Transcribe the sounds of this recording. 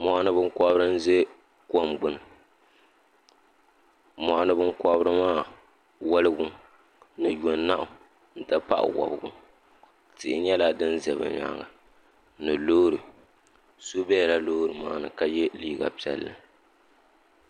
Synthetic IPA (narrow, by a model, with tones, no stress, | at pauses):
mɔ˨ʔa˦nɨ˦bɨ˦ŋ˦kɔ˦bɾɨ˦n̩˦ze˦ | ko˨mɡ͡bɨ˨nɨ˨ | mɔ˨ʔa˦nɨ˦bɨ˦n˦kɔ˦bɾɨ˦maː˦˨ | wɔ˦lɨ˦ɡʊ˦ | nɨ˨jo˨nː˦a˦ʔʊ˨ | n̩˦ta˦pa̰˦ʔwɔ̰˨bɨ˨ɡʊ̰˦ | tɪ˨ʔɪ˦ɲɛ˦la˦dɨ˦n˦zɛ˨βɨ̰˨ɲa̰˨ŋa̰˨ | nɨ˨loː˦ɾɨ˨ | so˦bɛ˦˨la˦loː˦ɾɨ˨maː˦nɨ̰˨ka˦jɛ˦liː˦ɡa̰˨pi˦˨ɛ̰˨lːɨ˨